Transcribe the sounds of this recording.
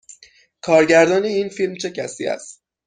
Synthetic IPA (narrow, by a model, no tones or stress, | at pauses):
kʰɒːɾɟæɾd̪ɒːne̞iːnfilmt͡ʃʰe̞cʰæsḭːæ̰st̪